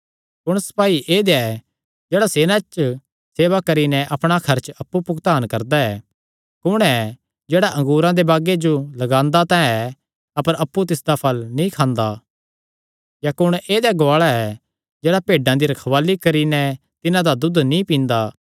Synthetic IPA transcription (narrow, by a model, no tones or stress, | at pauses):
kʊɽ̃sɐ̥paːiʔeːd̪eaɛ | d͡ʒeːɽaseːnat͡ʃ | seːʋakɐɾinɛʔɐpɽ̃akʰɐɾt͡ʃɐpːupʊkt̪aːnkɐɾd̪aɛ | kʊɽ̃ɛ | d͡ʒeːɽaʔɐ̃ŋɡuːɾãd̪ebaːɡed͡ʒolɐɡãːnd̪at̪ãːɛ̃ɛ | ɐpəɾɐpːut̪ɪsd̪apʰɐlnĩkʰãːnd̪a | jakʊɽ̃eːd̪jaɡoaːɭaɛ | d͡ʒeːɽapeːɖãd̪iɾɐkʰɐʋaːlːikɐɾinɛ | t̪ɪnãd̪ad̪ʊd̪nĩpĩːnd̪a